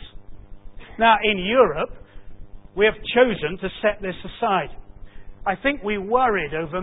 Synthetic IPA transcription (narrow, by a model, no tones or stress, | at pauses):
s | naʊʔɪ̃njʊɹəp̚ | wiɨv̥t͡ʃʰoʊzɨ̃ntʰɨsɛt̪̚ðɪsəsaɪd | aɪθɪ̃ŋkwiwɜ˞iɾoʊvə˞